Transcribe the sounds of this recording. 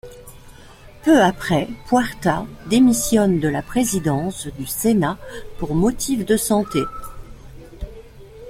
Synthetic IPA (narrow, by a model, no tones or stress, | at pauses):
pøapχɛpwaʁt̪ad̪emisjɔnd̪əlapχezid̪ɑ̃sd̪ysenapuʁmɔt̪ʰifd̪əsɑ̃t̪e